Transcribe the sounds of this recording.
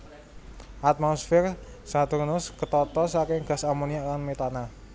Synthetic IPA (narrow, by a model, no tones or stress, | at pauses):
ʔat̪̚mɔsfɪr | sat̪urnʊskət̪ɔt̪ɔsakɪŋɡ̥a̤samoniaʔlanmet̪ana